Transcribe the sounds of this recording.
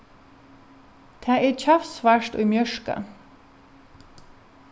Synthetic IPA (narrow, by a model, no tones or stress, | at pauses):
t̪ʰæːʔeːc͡çʰɑfsʋæʃto̰ːimjœʃkɑ̰